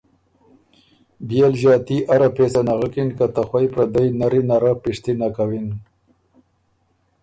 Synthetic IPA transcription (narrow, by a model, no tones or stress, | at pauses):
bjelʒɑːt̪iʔaɾapesanaɣəkinkat̪axwajpɾad̪ajnaɾinaɾapiʂt̪inakawin